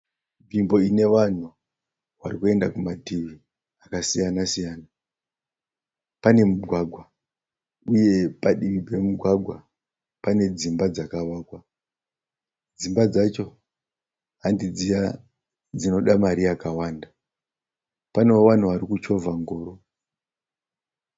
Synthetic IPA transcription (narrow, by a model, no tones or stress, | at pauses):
vimbo̞ine̞ʋan̤u | ʋarikue̞ndakumatiʋi | akasijanasijaːna | pane̞muɡʱwaɡʱwa | uje̞paɗiʋibʱe̞muɡʱwaɡʱwa | pane̞d͡zimbad͡zakaʋaːkwa | d͡zimbad͡zat͡ʃo̞ | ɦandid͡zija | d͡zino̞ɗamaɾiakawaːnda | pane̞oʋan̤uʋaɾikut͡ʃo̞vaŋɡo̞ːɾo̞